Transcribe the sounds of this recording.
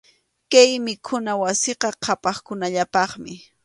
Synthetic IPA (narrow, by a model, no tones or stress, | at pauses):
kajmɪkʰʊnawasɪqɑqʰɑpɑχkʊnaʎapɑχmɪ